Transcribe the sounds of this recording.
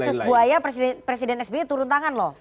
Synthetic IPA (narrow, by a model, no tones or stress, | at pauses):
sʊsbuajapɾes̬idɛpɾesidɛnɛsbet̪uɾʊnt̪aŋanlɔh